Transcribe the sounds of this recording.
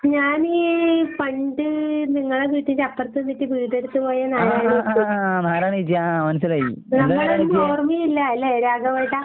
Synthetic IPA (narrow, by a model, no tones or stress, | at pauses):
ɲaːniːfɐɳɖɨniŋːɐɭeʋiːʈːiɲd͡ʑɐp̪ːɐrt̪ːunːiʈːibiːd̪eɽut̪ːupoːjɐnaːɾaːɳiiunaːɾaːɳiid͡ʑijamɐnɐsilaːjinɐmːɐɭenoːrmiilːɐilːɐeːɾaːɡɐmaːjiʈːa